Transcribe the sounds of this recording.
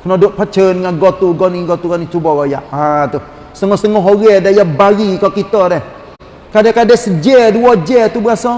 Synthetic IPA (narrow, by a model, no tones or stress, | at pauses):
kənɔdoʔpat͡ʃənŋaɡɔt̪uɡɔniɡɔt̪ukanit͡ʃubɔɣɔjaʔat̪u | səŋɔhsəŋɔɦoɣɛdajabaɡikakit̪ɔɾɛh | kadakadɛsəd͡ʒɛduwɔd͡ʒɛt̪ubəasɔ